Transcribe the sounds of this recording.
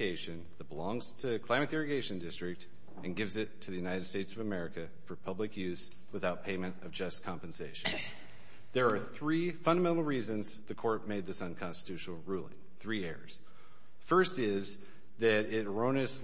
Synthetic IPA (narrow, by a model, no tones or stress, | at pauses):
eɪʃɨ̃nðɨt̚b̥əlɔ̃ŋz̥tʰɨkʰl̥ãɪmɨt̪ɪɹɨɡeɪʃɨ̃ndɪstɹ̥ɨk̚t | ɨ̃nɡɪvzɪtʰɨðɨjʉnaɪɾɨd̥steɪtsʌvɨmɛɹɨkɨ | fə˞pʰʌblɨkʰjʉz̥ | wəθaʊt̚pʰẽɪ̃mɨ̃ntʌvd͡ʒʌskʰɑ̃mpɨ̃n̩seɪʃɨ̃n | ðə˞ːθɹifʌ̃ndəmɛ̃ñl̩ˠɹizɨ̃nz | ðɨkʰɔɹt̚meɪd̪̚ðɪsʌ̃nkʰɑ̃nstɨ̥tʰʉʃnl̩ˠɹulˠɪ̰̃ŋθɹiɛɹz̥ | fɜ˞stɪz | ðɨɾɪt̚ɹõʊ̃ñɨs